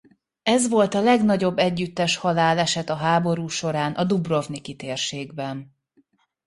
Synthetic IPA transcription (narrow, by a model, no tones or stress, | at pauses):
ɛzʋo̞lt̪ɒlɛɡnɒɟo̞bːɛɟːyt̪ːɛʃhɒlaːlɛʃɛt̪ɒɦaːbo̞ɾuːʃo̞ɾaːnʔɒd̪ubro̞vnikit̪eːrʃeːɡbɛn